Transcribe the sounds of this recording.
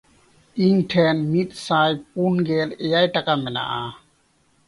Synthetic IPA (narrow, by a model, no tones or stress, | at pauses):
iŋʈʰɛnmit̪̚saːjp̚unɡɛlejajʈakamɛna̰ʔa